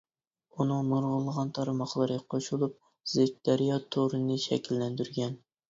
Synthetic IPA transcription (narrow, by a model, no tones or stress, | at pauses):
unɨŋmuɾʁʊlˠʁɑnt̪ʰɑɾmɑχlˠɨɾɨqʰoʃulˠup̚ | z̥ek̚ʲd̪ɑɾijɑt̪ʰoɾɨnɨʃɛ̰kʲilːɛnd̪yɾɡʲɛn